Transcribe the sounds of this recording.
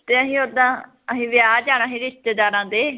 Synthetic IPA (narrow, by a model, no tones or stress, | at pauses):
t̪eːəɦĩːoːd̪ãː | əɦĩːʋɪjaːd͡ʒaːɽaːɦĩːɾɪʃt̪eːd̪aːɾãːd̪eː